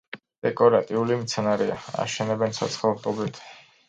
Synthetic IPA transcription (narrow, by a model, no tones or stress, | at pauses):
d̪̥ɛkʼɔɾat̪ʼiulimt̪sʰɛnaɾɛa̰a̰ʃɛnɛbɛnsa̰t̪sʰχat̪ʼɔbit̪ʰ